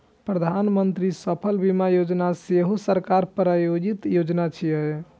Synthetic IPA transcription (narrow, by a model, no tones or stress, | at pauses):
pɾəd̪ʱanmənt̪ɾisəpʰəlbimajod͡ʒnaseɦosəɾkaɾpɾajod͡ʒit̪jod͡ʒnat͡ʃʰiəj